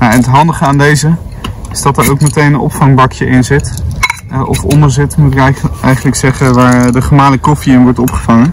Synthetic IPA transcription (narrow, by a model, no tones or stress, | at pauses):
jaɛnətɦɑndəχəaːndejzəɪz̥dɑtəɹowkmətejnənɔ̰pfɑŋbɑkjəʔɪnzɪt | ʔɔ̰fɔndəɹzɪtmutɪkɛjχənləksɛχənʋaːɹdəχəmaːləkɔfiɪnʋɔɹtɔpχəvɑŋən